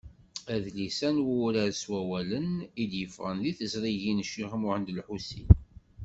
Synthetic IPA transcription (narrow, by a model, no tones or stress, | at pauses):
æðlisænwuɾæɾswæwælənid̪jəfʁənðiθəzɾˤiʝinʃːiʁmʊʕənd̪əlħusḭn